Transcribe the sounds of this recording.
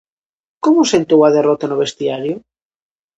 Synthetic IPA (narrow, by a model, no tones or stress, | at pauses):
komʊsent̪owaðerot̪anoβest̪iaɾjo